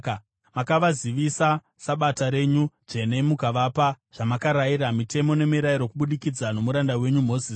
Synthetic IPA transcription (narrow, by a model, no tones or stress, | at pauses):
makaʋaziʋisa | saɓataɾe̞ɲuʐe̞ne̞mukaʋaːpa | ʐ̥amakaɾajiɾamite̞mo̞ne̞miɾaiɾo̞kuɓuɗikid͡zano̞muɾandawe̞ɲum̤o̞ːziːs